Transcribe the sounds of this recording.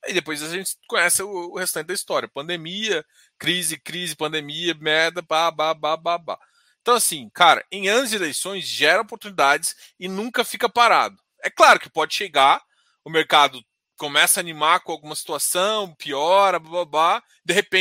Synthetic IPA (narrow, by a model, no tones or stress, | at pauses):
id̪epojzaʒẽnt͡ʃɪ̥kõɲɛsɪʊːhest̪ɐ̃t͡ʃɪd̪ɐist̪ɔɾʲiɐpɐ̃nd̪emiɐ | kɾizɪkɾizɪpɐ̃nd̪emiɐmɛɾd̪ɐbababababa̰ | ẽt̪ɐ̃w̃asĩkaɾɐ̰ẽj̃ɐ̃zelejsõj̃zʒɛɾɐopoɾt̪unid̪ad͡ʒɪs | ɪnũŋkɐfikɐpaɾa̰d̪ʊ | ɛklaɾʊkɪ̥pɔd͡ʒɪʃeɡa | ʊmeɾkad̪ʊ | komɛsɐːnimakõawɡũmɐsi̥t̪uasɐ̃w̃piɔɾɐbababa | d̪eɦepẽ